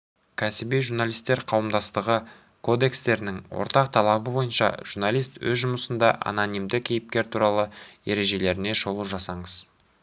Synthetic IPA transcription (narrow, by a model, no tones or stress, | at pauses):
kʲʰæsɪbejʒuɾnalˠijst̪ːe̞ɾqʰɑwəmd̪ɑst̪əʁə | kʰo̞d̪e̞kst̪e̞ɾɪnɪŋwo̰ɾt̪ɑq̚t̪ʰɑlˠɑbəbo̞jənʃɑ̰ʒ̥urnɑlˠijst̪wɵ̰zʒʊməsənd̪ɑʔa̰nonijmd̪ɪkʲʰejɪp̚kʲe̞ɾt̪ʰuɾɑlˠəe̞ɾe̞ʒe̞le̞ɾɪne̞ʃo̞lˠuʒɑsɑɴəz̥